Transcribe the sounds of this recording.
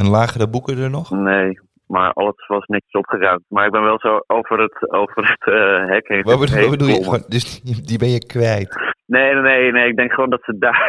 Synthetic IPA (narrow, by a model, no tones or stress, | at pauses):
ɛnlaːɣərəbukədərnɔxneː | ma̰ɹɑ̰lˠəsʋɔsnɪtəsɔpχəraɥmtmaɹɪkɡ̚bɛnʋɛlˠsoowvərətowvərətɦɛkɪnɔbəeɔbədulˠjəmɔndøsdibɛnjəkʋɛjtneːneːneɪɡ̚dɛŋkχəʋoːndɔtsəda